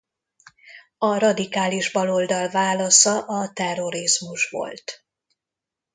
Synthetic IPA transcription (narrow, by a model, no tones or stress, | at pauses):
ɒrɒd̪ikaːliʒbɒlo̞ld̪ɒlvaːlɒsɒʔɒt̪ɛrːo̞ɾizmuʃʋo̞̰lt̪